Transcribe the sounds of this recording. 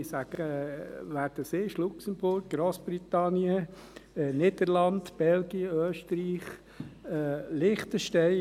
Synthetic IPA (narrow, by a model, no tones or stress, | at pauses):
sæɡ̥əəʋæːdəseːʃlʊksəmbʊɾɡ̚ɡɾoːsb̥ɾit̪ɑnjə | nɪd̪əɾlɑnd̪b̥ɛlɡiəøːʃtəɾiːχ | lɪχt̪əʃtɛɪ